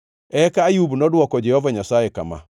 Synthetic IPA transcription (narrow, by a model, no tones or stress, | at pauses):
ɛkaːjubunɔdwɔkɔd͡ʒɛhɔvaɲasaekama̰